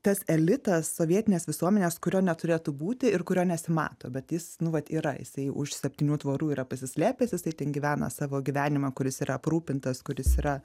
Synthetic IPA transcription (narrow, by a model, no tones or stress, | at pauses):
t̪ɐsɛlʲɪt̪ɐsːoːʋʲiɛt̪ʲɪnʲeːsʋʲɪsuɔmʲɛnʲeːskʊɾʲoːnʲɛt̪ʊɾʲeːt̪uːbuːt̪ʲɪɪɾkʊɾʲoːnʲɛsʲɪmɑ̰ːt̪oːbʲɛt̪jɪsnʊʋɐt̪iːɾɐ̰jɪ̰sɐɪʔʊ̰ʃsʲɛpʲt̪ʲiːnʲuːt̪ʋoːɾuːiːɾɐpɐsʲɪsʲlʲæːpʲɛsjɪsɐɪt̪ʲɛːnɡʲiːʋʲæːnɐ̰sɑːʋoːɡʲiʋʲæːnʲɪmɐkʊɾʲɪsiːɾɐɐpɾuːpʲɪnt̪ɐskʊɾʲɪsiːɾɐ